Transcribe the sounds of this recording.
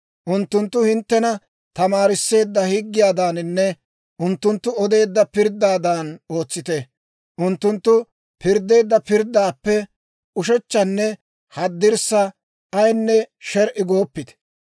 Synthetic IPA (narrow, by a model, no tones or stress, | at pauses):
ʔʊnt̪ːʊnt̪ːʊhɪnt̪ːɛnɐ | t̪ɐmaːɾɪsːe̞ːd̪ːɐhɪɡːɪjaːd̪aːnɪnːɛ | ʔʊnt̪ːʊnt̪ːʊɔd̪e̞ːd̪ːɐpɪɾd̪ːaːd̪aːno̞ːt͡sːɪt̪ɛ | ʔʊnt̪ːʊnt̪ːʊ | pɪɾd̪e̞ːd̪ːɐpɪɾd̪ːaːpːɛ | ʊʃɛt͡ʃːɐnːɛ | hɐd̪ːɪɾsːɐ | ɐjnːɛʃɛɾʔɪɡo̞ːpːɪt̪